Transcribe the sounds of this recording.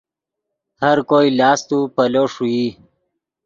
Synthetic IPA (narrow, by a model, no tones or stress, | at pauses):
həɾkoːilɑːst̪upəloʂuji